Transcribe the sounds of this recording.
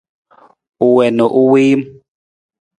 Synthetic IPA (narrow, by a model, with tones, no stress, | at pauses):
u˨wɛ˨nɔ˨ʔu˦wiː˦m˦